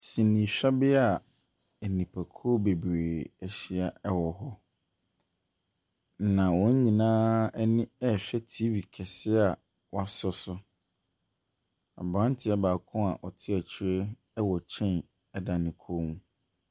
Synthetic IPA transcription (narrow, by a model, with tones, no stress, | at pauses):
sĩ˨nĩ˨ɕᶣɛ˦bɪ˦a˨ | ɛ˨nĩ˨pʰa˨kʰo˦be˨bɾeː˨ɛ˨ɕɪ˦a˨ɛ˦wɔ˨ɦɔ˦˨ | nã˨wɔ̃˦ɲ˦ɲĩ˨nãː˦ɛ˦nɪ̃˦ɛ˦˨ɕᶣɛ˦tʰi˦bi˨kʰɛ˨sɪ˦a˨ | wa˦sʊ˦sʊ˦ | a̰˨bɾã˦n˦tʰɪ˨˦a˦baː˨kʰʊ̃˦a̰˨ʔɔ˨tʰɪ˦ɛ˨t͡ɕʰɪ˨˦ɾe˦ | ɛ˦wɔ˨t͡ɕʰɛ̃˦n | ɛ˦da˨nɪ̃˨kʰo˦mũ˦